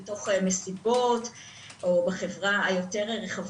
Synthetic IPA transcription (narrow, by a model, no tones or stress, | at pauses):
eto̞χmesibo̞t | ʔobaχe̞vʁaajo̞te̞ʁʁeχav